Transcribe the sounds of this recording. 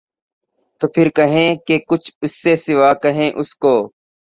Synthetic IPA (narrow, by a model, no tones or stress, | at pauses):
t̪oːpʰɪɾkəɦẽːkeːkʊt͡ʃʰʊsːeːsɪʋaːkəɦẽːʔʊskoː